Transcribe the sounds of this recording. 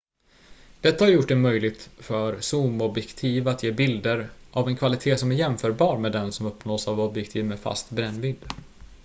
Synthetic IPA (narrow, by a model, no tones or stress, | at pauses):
d̪̥ɛt̪ːahaɾjʊʈːɖɛmœjlɪɡ̚t̪fœɾsuːmɔbjɛkt̪ʰiːvaat̪jeːbɪld̪əɾʔavɛnkʰvalɪt̪ʰeːsɔmæɾjɛmfœːɾbɑːɾmeːd̪ɛnsɔmɵpnoːsavɔbjɛkt̪ʰiːvmɛfa̰st̪bɾɛnːvɪd̪